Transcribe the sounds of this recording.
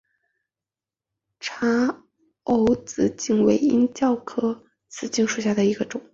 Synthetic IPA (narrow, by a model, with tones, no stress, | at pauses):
ʈ͡ʂʰa˥ | o˧˥ʊt͡sɹ̩˧˩t͡ɕi˥˩ŋwe˧˥˩ɪi˥nt͡ɕjɑ˥˩ʊkʰɤ˥ | t͡sʰɹ̩˨˩t͡ɕi˥˧ŋʂu˨˩ɕja˥˩d̪ə˩i˧˥ɡə˧ʈ͡ʂʊ˨˩˦ŋ